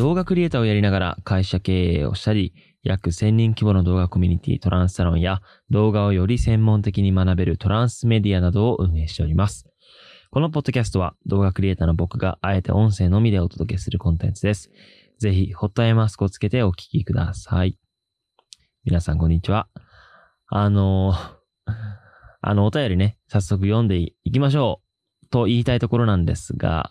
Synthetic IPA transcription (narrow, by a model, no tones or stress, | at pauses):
d̪̥o̞ːɡakɯɾʲie̞t̪ao̞jaɾʲinaɡaɾa̰kaiɕake̞ːo̰ɕi̥t̪aɾʲi | jakɯ̟sẽ̞ɲ̟ʲːĩŋkʲibo̞no̞d̪o̞ːɡako̞mʲiɲ̟it̪ʲḭːt̪o̞ɾʔãɰ̃sɨ̥saɾõ̞ɰ̃ja | d̪o̞ːɡao̞jo̞ɾʲisẽ̞mːõ̞nt̪e̞kʲiɲ̟imanabe̞ɾɯ̟t̪o̞ɾãɰ̃sɨme̞d̪ʲianad̪o̞ːʔɯ̟̃ɰ̃e̞ːɕi̥t̪e̞o̞ɾʲimasɨ̥ | ko̞no̞p̬o̞d̪ːokʲas̬t̪o̞βa̰d̪̥o̞ːɡakɯɾʲie̞ːt̪aːno̞bo̞kɯ̟ɡa̰ʔae̞t̪e̞̰ʔõ̞ɰ̃se̞ːno̞mʲid̪e̞o̞t̪o̞d̪o̞k̬e̞sɨɾɯ̟kõ̞nt̪ẽ̞nt͡sɨd̪e̞sɨ̥ | ze̞çiho̞t̪ːaemasɨ̥kot͡sɨ̥ke̞t̪e̞o̞kʲi̥kʲikɯ̟d̪a̰sai | mʲinasãŋko̞ɲ̟ːit͡ɕiβa | ano̞ | a̰no̞ːt̪ajo̞ɾʲine̞sasːo̞k̬ɯ̟jõ̞nd̪e̞iikʲimaɕ̬o̞ː | t̪o̞iːt̪ait̪o̞ko̞ɾo̞nãnd̪e̞̰sɨɡa̰